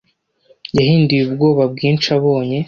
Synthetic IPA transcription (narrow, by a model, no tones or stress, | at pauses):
jaɦiːndujubɡo̞ːβab̚ɡiːnt͡ʃaβo̞ːɲe̞